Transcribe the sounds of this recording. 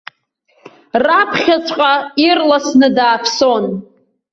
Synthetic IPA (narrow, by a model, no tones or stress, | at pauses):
rapʰχʲat͡ʃʷʰʼqʼairlasnɨdaːpʰson